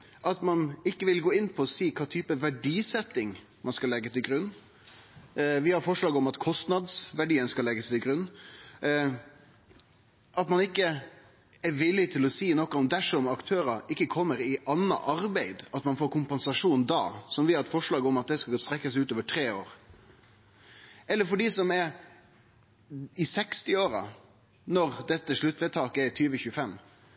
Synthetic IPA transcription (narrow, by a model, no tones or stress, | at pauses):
ʔɑt̪mɑnɪkːəʋɪlɡoːɪnːpʰɔɔsiːkʰɑːt̪ʰyːpəʋæɖiːsɛt̪ːɪŋ | mʔɑnskɑlɛɡːəst̪ʰɪlɡɾʉnː | ʋɪhɑɾfɔʂɭɑːɡɔmɑt̪kʰɔst̪nɑd̪sʋæɖiːənskɑlɛɡːəst̪ʰɪlɡɾʉnː | ʔɑt̪mɑnɪkːə | ɛɾʋɪlːɪt̪ʰɪlɔsiːnɔkːɑɔmd̪æʂɔmɑkt̪ʰøːɾɑɪkːəkʰɔmːəɾɪʔɑnːɑ̰ʔɑɾbæɪd̪ɑt̪mɑnfoːɾkʰʊmpɛnsɑʂuːnd̪ɑ̰ːsɔmʋɪhɑɾɛt̪fɔʂɭɑːɡəɔmɑt̪̚d̪ɛskɑst̪ɾɛkːəsʉːt̪oːʋəʈʰɾeːo̰ːɾ | ɛlːəɾfɔɖiːsɔmɛɾ | ɪsɛkst̪ɪoːɾɑ̰ | nɔɾd̪ɛt̪ːəʂɭʉt̪ːʋɛt̪ʰɑːkɛt̪ʰyːʋəçʉːəfɛmː